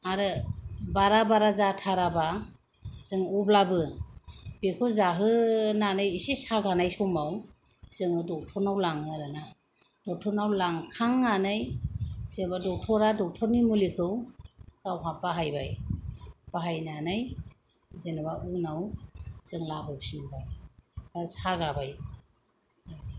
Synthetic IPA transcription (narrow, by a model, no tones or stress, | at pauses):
aɾɯbaɾabaɾazatʰaɾaba | z̥ɯŋublabɯ | b̥ekʰɯzaɦɯnanɯjisisaɡanajsɔmaw | z̥ɯŋɯdɔk̚tʰɔnawlaŋɯɾɯna | d̥ɔk̚tʰɔnawlaŋkʰaŋːanɯjz̥enbadɔk̚tʰɔɾadɔk̚tʰɔɾnimulikʰɯwkawɦapaɦajba̰j | b̥aɦajnanaj | zenabaʔunawz̥ɯŋlabɯpsinbajashaɡabaj